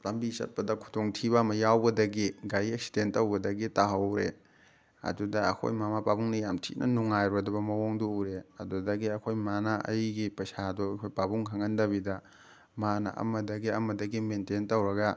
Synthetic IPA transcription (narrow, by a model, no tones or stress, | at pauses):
lɐmbisɐ̰t̚pɐdɐkʰu̥tʰoŋtʰibamɐjawbɐdɐɡiɡajek̚si̥dentːɐwbɐdɐɡitaɦɐwɾe | ɐ̰dudɐɐ̰kʰo̰jmamapabuŋnɐjamtʰḭnʔɐ̰nuŋajɾodɐbɐmɐwoŋdoɾeɐdudɐɡiɐkʰojmanaʔɐ̰jɡipɐsadoɐkʰojpabuŋkʰɐŋɐndɐβidɐ | manɐ̰ʔɐ̰mɐdɐɡiɐmɐdɐɡimententɐwɾɐɡɐ